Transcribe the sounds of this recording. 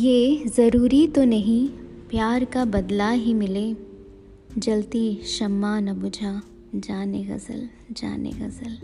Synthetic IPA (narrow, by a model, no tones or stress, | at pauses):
jeːzɐɾuːɾit̪onɐɦĩpjaːɾkabɐd̪laɦimɪleː | d͡ʒɐlt̪iʃɐmːaːnɐbʊd͡ʒʱa | d͡ʒaːneɣɐ̰zə̰l | d͡ʒa̰ːnḛɣɐ̰zəl